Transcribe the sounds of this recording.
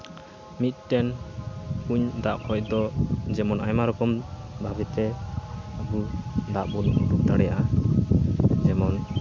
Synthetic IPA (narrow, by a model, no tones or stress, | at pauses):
mit̪̚ˀʈɛn | uɲd̪aʔkʰɔcd̪ɔd͡ʒɛmɔnajmaɾɔkɔmbʱabɛt̪ɛ | abud̪aʔbunduk̚d̪aɽɛjaʔa | d͡ʒɛmɔn